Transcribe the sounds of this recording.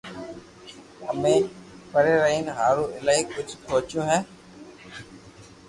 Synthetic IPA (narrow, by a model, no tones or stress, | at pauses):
əmẽːpəɾeːɾəɦiːnɦaːɾoːʔɪlaːiːkʊd͡ʒʱsoːt͡ʃjõːɦɛː